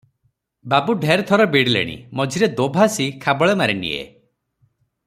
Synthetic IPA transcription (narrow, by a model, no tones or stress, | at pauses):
babuɖʱeɾt̪ʰɔɾɔbiɽilḛɽ̃ḭmɔd͡ʒʱiɾed̪obʱasikʰabɔɭemaɾenḭḛ